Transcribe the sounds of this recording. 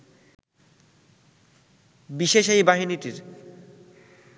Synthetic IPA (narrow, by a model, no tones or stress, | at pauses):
biʃeʃejbaɦiniʈiɾ